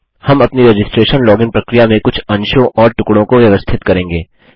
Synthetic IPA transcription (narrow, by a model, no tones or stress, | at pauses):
hɐmɐpniɾɐd͡ʒɪsʈɾeːʃənlɔːɡɪ̃npɾɐkɾijamẽkʊt͡ʃʰɐ̃nʃõʔɔːɾʈʊkɽõkoʋjɐʋəst̪ʰɪt̪kɐɾẽːŋɡeː